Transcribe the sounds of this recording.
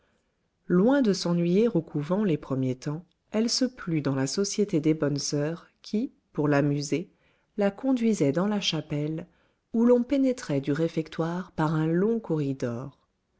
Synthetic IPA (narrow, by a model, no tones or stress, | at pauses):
lwɛ̃d̪əsɑ̃nɥijiʁokʰuvɑ̃lepχəmjet̪ɑ̃ | ɛlsəplyd̪ɑ̃lasɔsjet̪ed̪ebɔnsœːʁ | kʲʰi | puʁlamyze | lakɔ̃d̪ɥizɛd̪ɑ̃laʃapɛl | ulɔ̃penɛt̪χɛd̪yʁefɛkt̪waʁpaʁɛ̃lɔ̃kɔʁid̪ɔːʁ